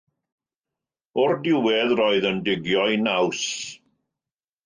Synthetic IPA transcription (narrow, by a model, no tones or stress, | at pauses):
ɔrdɪwɛðrɔɨðəndɪɡjɔjnaws